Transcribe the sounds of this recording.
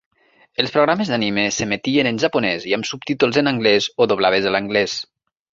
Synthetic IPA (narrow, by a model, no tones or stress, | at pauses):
elˠspɾoɣ̞ɾamezðanimesemet̪ienənʲʒapunɛziamsup̚t̪it̪ulˠzənaŋɡlɛzoðoβ̞laβ̞ezələŋɡlɛs